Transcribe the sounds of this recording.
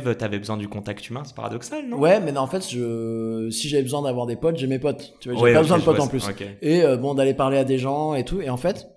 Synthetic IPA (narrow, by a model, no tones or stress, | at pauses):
vøt̪yavɛbəzwɛ̃d̪ykɔ̃t̪akt̪ymɛ̃sɛ̥pa̰ʁa̰d̪ɔksalnɔ̃wɛmɛnɑ̃fɛt̪ʒəsiʒavɛbəzwɛ̃d̪avwaʁd̪epɔt̪ʒemepɔt̪t̪ːyvwaʒeeɛpabəzwɛ̃d̪əpɔt̪ɑ̃plysokʲeeøbɔ̃d̪alepaʁlead̪eʒɑ̃et̪ueɑ̃fɛt̪